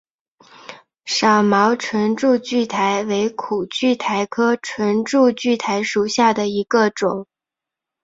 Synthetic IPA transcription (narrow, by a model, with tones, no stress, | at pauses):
ʂɑ˨˩ʊmɑ˧˥ʊʈ͡ʂʰwə˧˥nʈ͡ʂu˥˧t͡ɕy˥˩t̪ʰa˧˥ɪwe˧˥ɪkʰu˨˩t͡ɕy˥˩t̪ʰa˧˥ɪkʰɤ˥ʈ͡ʂʰwə˧˥nʈ͡ʂu˥˧t͡ɕy˥˩t̪ʰa˧˥ɪʂu˨˩ɕja˥˩d̪ə˩i˧˥ɡə˧ʈ͡ʂʊ˨˩˦ŋ